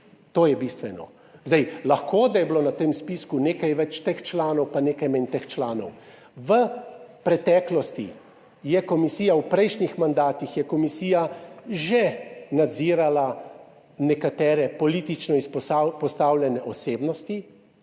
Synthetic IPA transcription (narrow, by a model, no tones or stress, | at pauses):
t̪oːjɛbist̪ʋɛnɔ̰ | zd̪ɛjlaxkoːd̪ajɛbloːnat̪emspiskuneːkajʋɛt͡ʃt̪ext͡ʃlaːnɔwpaneːkajmɛnt̪ext͡ʃlaːnɔ̰w | ʋəpɾɛt̪ɛːklɔst̪ḭ | jɛkɔmisiːjawpɾɛjʃɲixmand̪aːt̪ixjɛkɔmisiːjaʒenad̪ziːɾala | nɛkat̪ɛːɾɛpɔliːt̪it͡ʃnɔispɔsapɔst̪awlʲjɛnɛʔɔseːbnɔst̪i